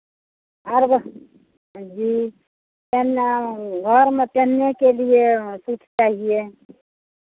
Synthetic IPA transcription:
əɾbʱ | d͡ʒiː | t̪enɡʱəɾmẽt̪enːekeliesutʰt͡ʃaːɦie

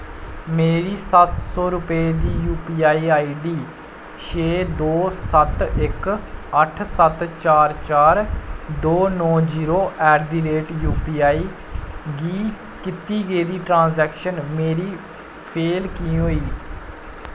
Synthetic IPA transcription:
meːɾiːsət̪sɔːɾʊpeːd̪iːjuːpiːaːiːaːiːɖiː | ʃeːd̪oːsət̪ɪkəʈʰsət̪t͡ʃaːɾt͡ʃaːɾd̪oːnɔ̃ːd͡ʒiːɾoːʔɛːɾd̪iːɾeːʈjuːpiːaːiː | ɡiː | kɪt̪iːɡeːd̪iːʈɾãːnzɛːkʃənmeːɾiː | pʰeːlkĩːɦoːiː

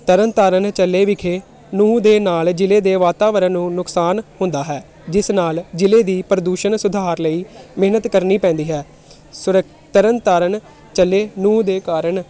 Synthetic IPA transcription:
t̪əɾənt̪aːɾənt͡ʃəlːeːʋɪkʰeː | nũːd̪eːnaːld͡ʒɪleːd̪eːʋaːt̪aːʋəɾəːnũːnʊksaːnhʊ̃nd̪aːɦɛː | d͡ʒɪsnaːld͡ʒɪleːd̪iːpɾəd̪uːʃənsʊd̪ʱaːɾləiːmeɦnət̪kəɾniːpɛ̃ːnd̪iːɦɛː | sʊɾək | t̪əɾənt̪aːɾən | t͡ʃəlːeːnũːd̪eːkaːɾəɳ

